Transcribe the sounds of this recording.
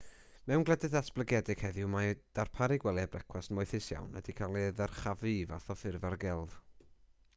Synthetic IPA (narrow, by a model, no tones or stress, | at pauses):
mɛwnɡlˠɛdɨðasb̥lˠəɡɛdɪɡ̥hɛðɪwmad̥arpʰaɾiɡwɛlˠjabrɛkʰwasnmoɨθɪsja̰wnə̰dikʰalˠiðərχavivaθɔfɪrvarɡɛlˠð